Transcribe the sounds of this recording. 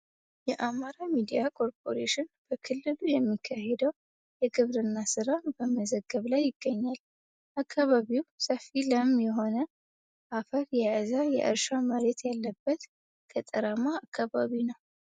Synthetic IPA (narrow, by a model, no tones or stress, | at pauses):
jɛʔamaɾamid̪ijakʰo̞ɾpʰʼo̞ɾeʃɪnb̥əkʰɨlːɨlujɛmːikʰːahed̪əw | jɛɡɨβɾɨnːasɨɾabəməzəɡːəβlajːɪɡ̥ːəɲːal | ʔakʰːaβaβiwsəfiləmjɛɦo̞nə | ʔafəɾjɛazajɛ̰ʔɨ̰ɾʃaməɾet̪jalːəbːət̪ | kʰət̪ʼəɾamaːkʰːaβaβinəw